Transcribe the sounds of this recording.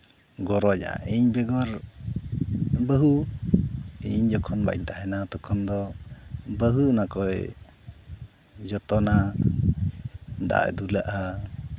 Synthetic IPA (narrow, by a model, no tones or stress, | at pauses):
ɡɔɾɔd͡ʒa̰iɲbɛɡɔɾ | bəɦu | iɲd͡ʒɔkʰɔnba̰jɲt̪aɦɛnat̪ɔkʰɔnd̪ɔ | bəɦunakɔj | d͡ʒɔt̪ɔna | d̪a̰d̪ulaʔa